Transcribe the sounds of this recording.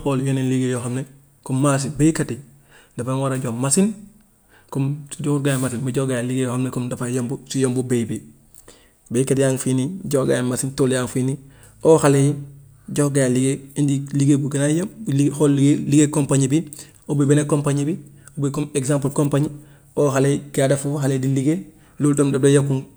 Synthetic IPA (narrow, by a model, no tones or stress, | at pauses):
xoljoninliɡejoxamne | komːaːs̬ibeikati | dafawaɾaɟomasin | kɔmsiɟouɾɡajamas̬inmuɟoɡajaliɡejohamnekomdafajombusijombubebi | beikatijaːŋfiniɟohɡajamasintoljaŋfini | oːhalej | ɟoɡajaliɡeindiliɡebuɡenajomlixoliɡeliɡekompaɲibi | obebenekompaɲibi | obekomeɡsãmp̬lkompaɲi | oːxalekiadafuxalediliɡe | lultomdadejokuŋ